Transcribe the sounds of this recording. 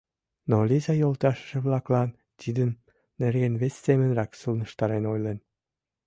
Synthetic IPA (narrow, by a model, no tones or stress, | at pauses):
nolizɑjolˠt̪ɑʃə̥ʃə̆βlɑklɑn | t̪ʲid̪ənː | erɣenβestemə̆nrɑksulˠnə̆ʃt̪ɑɾenojlen